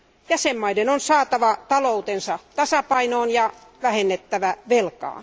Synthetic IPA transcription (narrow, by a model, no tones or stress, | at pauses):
jæsemmɑidenonsɑːt̪ɑʋɑt̪ɑlout̪ensɑt̪ɑsɑpɑinoːnjɑ | ʋæhenːet̪ːæʋæʋelkɑ̰ː